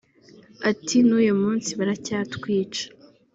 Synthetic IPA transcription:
atinujomuːnsiβaɾacaːtkwiːt͡ʃḁ

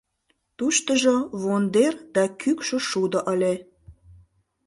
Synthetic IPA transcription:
t̪uʃt̪əʒoβond̪erd̪ɑkykʃə̆ʃud̪ə̆ʔəlʲe

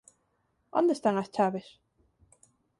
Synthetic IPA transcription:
ond̪est̪aŋast͡ʃaβes

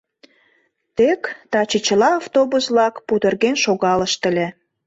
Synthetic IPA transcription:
t̪ekt̪ɑt͡ɕət͡ɕəlɑːft̪obusβlɑkput̪ə̆rɣenʃoɣɑləʃt̪ə̆lʲe

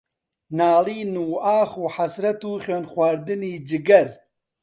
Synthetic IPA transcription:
naːliːnuːaːχuːħasɾɐt̪uːχeːnxwaːɾd̪ɨniːd͡ʒɪɡɐɾ

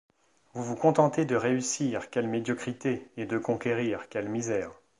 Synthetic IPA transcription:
vuvukɔ̃t̪ɑ̃t̪ed̪əʁeysiʁkʲɛlmed̪jɔkχit̪eed̪əkɔ̃kʲeʁiʁkʲɛlmizɛːʁ

